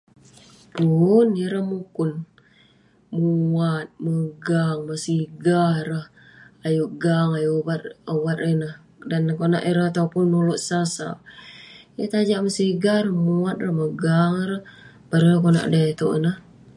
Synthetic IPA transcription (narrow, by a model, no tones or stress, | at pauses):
punəɾəhmukʊn | muat̪̚məɡaŋməsiɡahrəh | ajuʔɡaŋajuwat̪̚owat̪̚rənəh | dankona̰ʔiɾəhat̪aupʊnːuluʔsasa̰ | jət̪ad͡ʒaʔməsiɡahɾəmuat̪̚rəhməɡaŋiɾəh | baɾəəkona̰ʔdet̪oʔə̰nəh